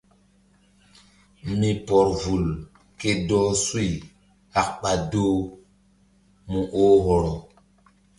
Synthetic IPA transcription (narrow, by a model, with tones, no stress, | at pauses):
mi˨pɔ˨ɾvu˨l | ke˦dɔː˦su˦i˨ | a˨k̚ɓa˨doː˦ | mũ˨ʔoː˦ɦɔ˨ɾɔ˨